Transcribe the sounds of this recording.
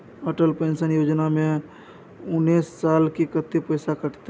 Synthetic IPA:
əːʈəlpẽnsənjoːd͡ʒnamẽ | ʊnːiːsːaːlkikət̪ːepəɪsakəʈt̪

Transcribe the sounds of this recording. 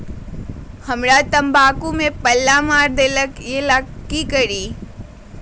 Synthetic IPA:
həmɾat̪əmbaːkumẽpəlːamaːɾd̪eːləkjelakːikəɾiː

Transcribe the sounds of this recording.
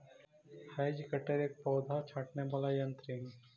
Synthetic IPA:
haːjd͡ʒikəʈeɾeːk̚pɔːd̪ʱat͡ʃʰaːʈneʋaːlajɐ̃nt̪ɾiɦɛ̃

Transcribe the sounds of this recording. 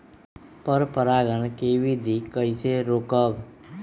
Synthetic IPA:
pəɾpəɾaɡəɳkeʋid̪ʱikːəjseɾokəb

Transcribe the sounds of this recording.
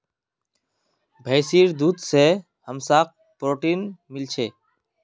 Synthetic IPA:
bʱəːsiːɾd̪uːd̪seː | həmsaːk̚ | pɾoːʈiːnmɪlt͡ʃʰeː

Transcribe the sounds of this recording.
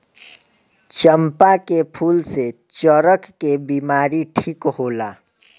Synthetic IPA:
t͡ʃəmpakepʰuːlse | t͡ʃəɾəkːebimaːɾiʈʰiːkɦoːla

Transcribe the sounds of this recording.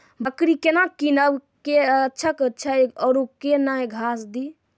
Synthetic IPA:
bəkɾikenakinəbketːt͡ʃʰəktːt͡ʃʰaɔɾokenaɡʱasd̪i

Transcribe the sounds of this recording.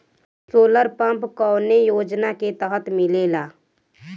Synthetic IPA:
soːləɾpə̃mpkɔːnejoːd͡ʒnaket̪əɦət̪mɪlelaː

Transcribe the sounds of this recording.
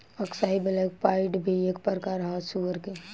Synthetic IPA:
ɐksaːɦibɪlak̚paːɪʈbʱieːkpəɾkaɾɦasuəɾke

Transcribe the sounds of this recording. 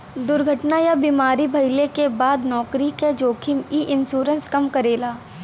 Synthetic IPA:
d̪ʊɾɡʱəʈnajabiːmaːɾibʱɐɪlekebaːd̪nɔːkɾiked͡ʒoːkʰimiʔɪnʃuːɾə̃nskɐmkɐɾeːlaː

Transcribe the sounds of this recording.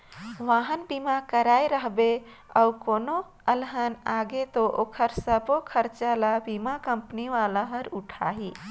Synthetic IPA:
ʋaɦənbimakəɾajɾəɦbe | əukono | əlɦənaɡet̪oʔokʰəɾsəbokʰəɾt͡ʃalabimakəmpəniʋalaɦəɾuʈʰaɦi

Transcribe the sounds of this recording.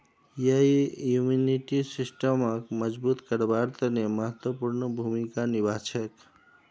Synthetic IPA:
jəijuminiʈisisʈəməkməd͡ʒbut̪kəɾbaɾt̪əneməɦət̪wəpuɾnəbʱumikanibat͡ʃʰək

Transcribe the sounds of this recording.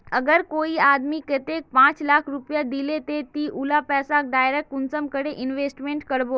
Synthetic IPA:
əɡəɾkoiad̪miket̪ek̚pãt͡slakʰɾupjad̪ilet̪et̪iːʔulapɛːsak̚ɖaːjɾekʈunt͡səmkəɽeʔinʋesʈmẽɳʈkəɽbo

